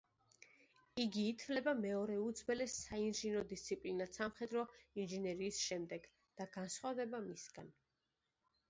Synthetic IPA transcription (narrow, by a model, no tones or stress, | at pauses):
iɡiːt̪ʰvlɛbamɛɔɾɛud̪zbɛlɛsainʒinɔd̪ist̪sʰipʼlinasamχɛd̪ɾɔinʒinɛɾiːsʃɛmd̪ɛɡ | d̪̥aɡansχwavd̪ɛbamisɡa̰n